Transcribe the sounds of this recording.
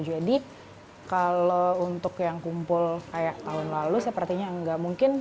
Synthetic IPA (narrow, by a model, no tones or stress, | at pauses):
d͡ʒadi | kalount̪ʊkjaŋkumpʊlkajaʔt̪aɦʊnlalusəpərt̪iɲaŋɡaʔmuŋkɪn